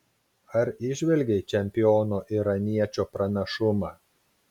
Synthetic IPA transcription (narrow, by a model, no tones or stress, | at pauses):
ɐɾɪʒʲʋʲɛlʲɡʲet͡ʃʲɛmʲpʲɪɔːnoːʔiɾɐnʲiɛt͡ʃʲoːpɾɐnʲɛʃʊmɑː